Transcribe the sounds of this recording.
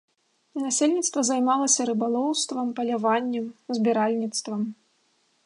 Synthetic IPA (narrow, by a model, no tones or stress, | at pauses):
nasʲelʲnʲit̪st̪vɐzajmalˠɐsʲɐɾɨbalˠɔwst̪vɐmpɐlʲavanʲːɛmzʲbʲɛɾalʲnʲit̪st̪vɐm